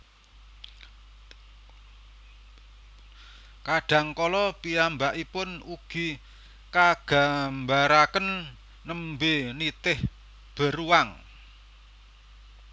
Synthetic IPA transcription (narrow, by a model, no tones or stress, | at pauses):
kaɖ̥ä̤ŋkɔlɔpiambaʔipʊnuɡ̥i̤ | kaɡ̥a̤mbaɾakənː | əmbenit̪ɪh | b̥ə̤ɾuaŋ